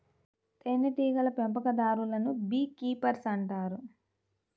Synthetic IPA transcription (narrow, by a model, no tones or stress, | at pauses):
t̪enːɐʈiːɡɐlɐpempɐkɐd̪aːɾulɐnubiːkiːpɐɾsɐɳʈaːɾu